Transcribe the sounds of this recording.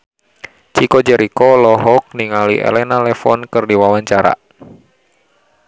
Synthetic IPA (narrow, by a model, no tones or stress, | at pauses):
t͡ʃikod͡ʒɛɾikɔlɔɦɔk̚niŋaliʔḛlɛnalɛfɔnkɨrdiwawaɲt͡ʃaɾa̰